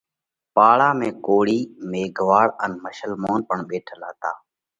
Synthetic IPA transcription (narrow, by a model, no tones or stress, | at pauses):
paːɭaːmẽːkoːɽiːmeːɡʱʋaːɽənməʃəlmoːnpəɳɓeːʈʰəlaːt̪aː